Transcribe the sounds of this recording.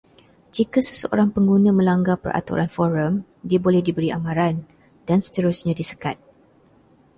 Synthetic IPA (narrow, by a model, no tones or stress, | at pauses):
d͡ʒikasə̥səʔo̰ɾaŋpəŋɡunãmə̃laŋɡapə̰rʔa̰t̪ṵɾʔanfɔɾəm | diabolɛhdibəɾiʔamãɾan | dansə̥t̪əɾusɲãdisəkat̪̚